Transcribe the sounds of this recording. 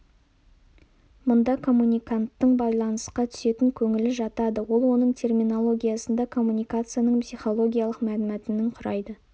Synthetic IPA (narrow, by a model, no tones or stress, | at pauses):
mʊnd̪ɑkʰo̞mːunʲijkant̪ːəɴbɑjlˠɑnəsqɑt̪ʰʏ̥se̞t̪ɪŋkʲʰɵŋɪlɪʒɑt̪ɑd̪əwo̞lˠwo̞nəɴt̪ʲʰe̞rmino̞lˠo̞ɡʲijasənd̪ɑkʰo̞mːunʲijkat̪sɨjanəɴpsijχo̞lˠo̞ɡʲijalˠəqmælɪmæt̪ɪnɪŋqʰʊɾɑjd̪ə